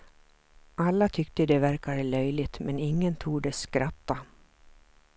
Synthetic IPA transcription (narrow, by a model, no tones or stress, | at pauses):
ʔalːat̪ʰʏkt̪əd̪ɛvæɾkad̪əlœjlɪt̪mɛnɪŋːənt̪ʰuːɖɛskɾʔat̪ːa